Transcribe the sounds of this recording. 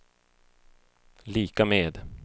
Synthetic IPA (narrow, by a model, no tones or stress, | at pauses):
liːkameːd̪